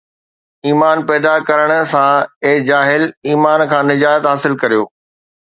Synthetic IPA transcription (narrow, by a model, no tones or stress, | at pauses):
iːmaːnpɛːd̪akɐɾəɽ̃̆sãeːd͡ʑaːɦɪliːmaːnkʰãːnɪd͡ʑaːət̪ɦaːsɪlkɐɾijo̰ː